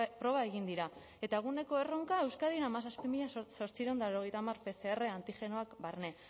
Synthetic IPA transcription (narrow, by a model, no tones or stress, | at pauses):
pɾo̞β̞ae̞ɣind̪iɾa | e̞t̪aeɣ̞une̞ko̞e̞ro̞ŋkae̞wskaðiamas̬aspimiʎaso̞ɾt͡siɾend̪aeɾoɣ̞ejt̪amaɾpe̞θe̞ːre̞ant̪ixe̞no̞akbaɾne̞